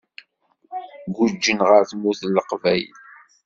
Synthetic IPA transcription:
ɡʊd͡ʒːənʁəɾθmuθlːəqvæj

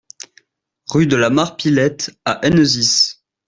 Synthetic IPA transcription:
ʁyd̪əlamaʁpilɛt̪aʔɛnəzis

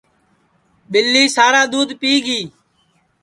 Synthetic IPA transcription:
ɓɪlːiːsaːɾaːd̪uːd̪piːɡiː

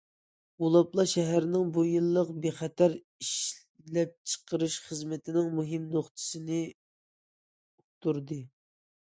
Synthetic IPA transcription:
ulˠɑplˠɑʃɛɦæɾnɪŋbujilˠːəqbeχɛt̪ʰæɾ | iʃ | lɛp̚t͡ʃʰə̥qʰəɾɨʃχəzmɪt̪ʰɪnɪŋmuɦɪmnoχt̪ʰɨ̥sɨnɨ | ut̪uɾd̪ɨ

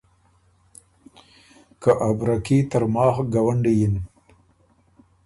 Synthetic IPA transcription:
kaʔabɾakit̪əɾmɑːxɡawaɳɖijin

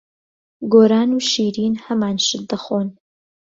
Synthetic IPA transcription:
ɡoːɾaːnuʃiːɾiːnhɐmaːnʃɨd̪ɐχoːn

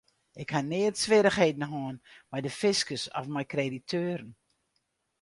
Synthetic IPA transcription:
ɪkhanɪətsʋɪɾəxheːdn̩ɦɔːnmajdəfɪskəsɔ̰fmɛjkreditʰøːɾən̩

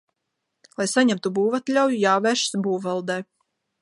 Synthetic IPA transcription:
lˠajsaɲamt̪ubuːvat̪ʎʲawjujaːvɛːɾʃsbuːvɛlˠd̪ɛː

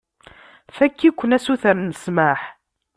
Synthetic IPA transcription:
fækːikʷːənæsuθəɾnəsmaħ

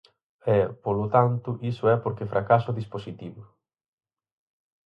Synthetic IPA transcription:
ɛpolot̪ant̪uʔisʊɛpoɾkefɾʔakasʊðisposit̪iβu

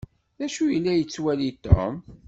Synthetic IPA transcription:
ðæʃujəlːæjət͡sːwælit̪o̰m

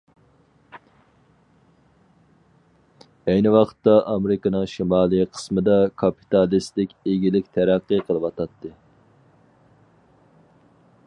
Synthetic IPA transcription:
ɛjnɪwɑqʰə̥t̪ːɑʔɑmɾɪkɨnɨŋʃimɑːlˠɨqʰə̥smɨd̪ɑkʰɑpi̥t̪ɑlist̪ɪkʲeɡʲilɪkʲt̪ʰæɾæqːɨqʰəlˠɨwɑt̪ʰɑt̪ʰːɨ

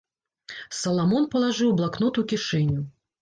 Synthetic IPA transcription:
sɐlˠamɔnpɐlˠaʐɨwblˠaknɔt̪ukʲiʂɛnʲu

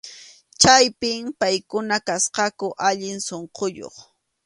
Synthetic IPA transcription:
t͡ʃajpɪmpajkʊnakasqɑkʊʔaʎɪnsoɴqojo̰χ

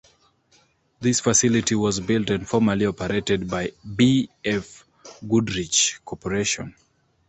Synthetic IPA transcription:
ðisfəsilitiwɔzbilˠtɨ̃ndfɔɹməliɔpəɹetɛd̚baɪbiɛf | ɡudɹit͡ʃkʰɔpəɹeʃɔ̰̃n

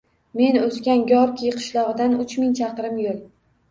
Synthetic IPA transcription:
me̞nɵskʲanɡʲɒɾkʲʰijqʰɨ̥ʃlˠɒʁɨd̪anʊt͡ʃmɪŋt͡ʃʰɑqɾɪmjolˠ

